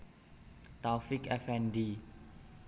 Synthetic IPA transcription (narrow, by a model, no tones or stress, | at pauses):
t̪awfikɛfɛndi